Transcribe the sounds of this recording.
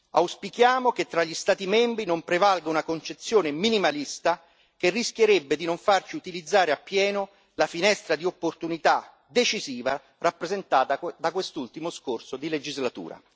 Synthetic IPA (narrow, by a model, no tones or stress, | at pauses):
a̰wspikjaːmoket̪ːɾaʎːist̪aːt̪imɛmbɾinompɾevalɡaunakont͡ʃet̪sːjoːneminimalist̪a | kerːisk̟jeɾebːed̪inoɱfart͡ʃiut̪ilid̪zːaːɾeapːjɛːnʊ | lafinɛst̪ɾad̪iopːort̪unit̪a | d̪et͡ʃiziːva | rapːɾezent̪aːt̪ad̪akwest̪ult̪imʊskorsod̪iled͡ʒizlat̪ṵːɾa̰